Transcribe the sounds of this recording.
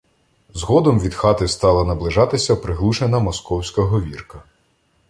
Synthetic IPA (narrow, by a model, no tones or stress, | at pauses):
zɦɔd̪ɔmʋʲid̪xɑt̪ɪst̪ɑlˠɐnɐblˠɪʒɑt̪ɪsʲɐpɾɪɦlˠuʃenɐmɔskɔwsʲkɐɦɔʋʲirkɐ